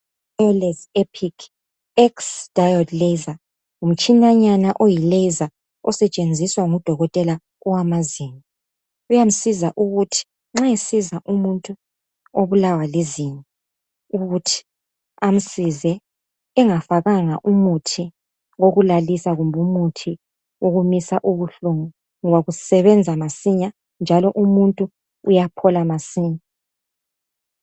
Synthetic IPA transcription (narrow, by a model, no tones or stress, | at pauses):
ɛlɛzɛpʰikʰ | ɛksd̥ʱajɔdleza | um̩t͡ʃʼinaɲanaʔojiilejza | ɔsɛt͡ʃʼend͡zʱiswaŋud̥ʱɔɣɔtʼɛla | ɔwamazini | ujam̩sizaʔuɣutʰi̥ | ŋ͡ǁaesizaʔumuntʼu | oβulawaleziɲɛ | uɣutʰi̥ | am̩sizɛ | ɛŋafaɣaŋaʔumutʰi | ŋoɣulalisaɣumbʱumutʰi | oɣumisaʔuβuɬuŋu | ŋɔβaɣusɛβɛnd͡zʱamasiɲa | nd͡ʒʱalɔʔumuntʼu | ujapʰɔlamasiːɲa